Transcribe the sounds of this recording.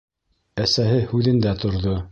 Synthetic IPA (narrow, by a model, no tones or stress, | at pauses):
æsæɦɘhʉðɘ̆nd̪æt̪ŏɾðo